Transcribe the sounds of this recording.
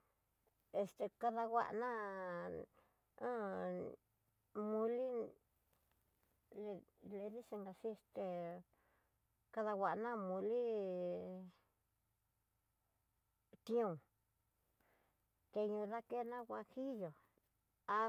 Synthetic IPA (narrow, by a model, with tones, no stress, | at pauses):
e˧st̪e˧ka˧ða˧ɣa̰˧ʔnã˦ | õ˦ | mũ˧li˦ | le˧le˧ði˦si˧ŋɡa˧si˦e˧st̪e˧ | ka˧ða˧wʷa˨ʔnã˦mũ˧li˦ | t̪ĩ˦ũ˧˨ | t̪e˧ɲũ˧ða˦˧ke˦nã˦ɣa˧hi˦jo˨ | a˧